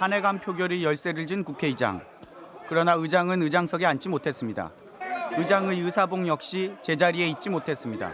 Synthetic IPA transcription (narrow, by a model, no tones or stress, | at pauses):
hane̞ɡampʰjoɡjoɾijʌɭs͈e̞ɾɯɭd͡ʑinkukʰe̞id͡ʑa̰ŋ | kɯɾʌnaɯd͡ʑaŋɯnɯd͡ʑaŋsʰʌɡeant͡ɕ͈ʰimotʰe̞s͈ɯmɲida̰ | ɯd͡ʑaŋɯɯsʰaboŋjʌk̚ɕ͈it͡ɕe̞d͡ʑaɾie̞it̚t͡ɕ͈imotʰe̞s͈ɯmɲida̰